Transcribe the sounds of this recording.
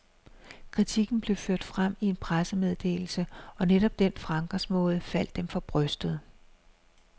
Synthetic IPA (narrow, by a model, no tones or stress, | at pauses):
kʰʁit͡sʰiɡ̥n̩b̥le̝ʊføɐ̰d̥fʁam̰ie̝npʰʁasəmeð̞ˠd̥e̝̰ːl̩səʔɒ̽neɾɒ̽b̥̚d̥enfʁɑ̈ŋɡ̥ɐsmɔ̽ːð̞̩ˠəfæl̰d̥ːemfɒ̽b̥ʁœsd̥əð̞̩ˠ